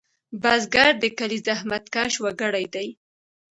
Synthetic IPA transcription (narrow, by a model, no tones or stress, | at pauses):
bazɡaɾd̪əkalizahmat̪kaʃwaɡəɽajd̪aj